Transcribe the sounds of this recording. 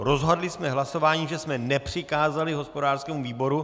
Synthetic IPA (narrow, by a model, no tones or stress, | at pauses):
ɾo̞zɦadlɪsmɛɦlaso̞vaːɲiːʒɛsmɛnɛpr̝̥ɪkaːzalɪɦo̞spo̞daːr̥skɛːmuviːbo̞ɾu